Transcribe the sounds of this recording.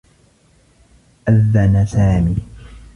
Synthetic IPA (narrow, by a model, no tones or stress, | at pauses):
ʔaðːanasaːmiː